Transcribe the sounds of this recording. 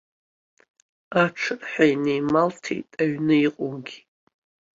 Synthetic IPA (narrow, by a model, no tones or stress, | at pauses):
aʈ͡ʂʰɨrħʷᶣajnejmaltʰḛtʼaɥnɨiqʼoɡʲi̥